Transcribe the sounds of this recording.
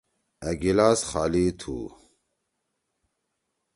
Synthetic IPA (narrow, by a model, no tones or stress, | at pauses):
ɐɡilaːsχaːlit̪ʰṵ